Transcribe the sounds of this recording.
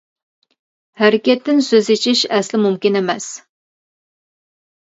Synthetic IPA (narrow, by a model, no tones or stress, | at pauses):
hæɾɪkʲɛt̪ːɪnsøzet͡ʃʰɪʃɛslɪmumkʲɪnemɛs